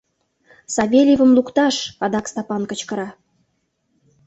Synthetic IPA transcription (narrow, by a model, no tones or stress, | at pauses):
sɑβʲelʲjivə̆mlukt̪ɑʃɑd̪ɑkst̪ɑpɑnkə̆t͡ɕkə̆ɾɑ